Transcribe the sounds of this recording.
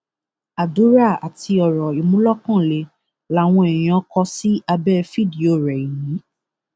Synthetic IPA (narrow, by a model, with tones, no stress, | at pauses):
a˨du˨˦ɾa˦˨a˨tʰi˧ɔ˨ɾɔ˨i˨mũ˦lɔ˦kã˦˨le˨˦ | la˨˦˨w̃ɔ̃˧ɛ˨j̃ã˨˧˦kɔ˧si˦a˧bɛ˦fi˦˨di˨o˨ɾɛ˨i˨jĩ˨˦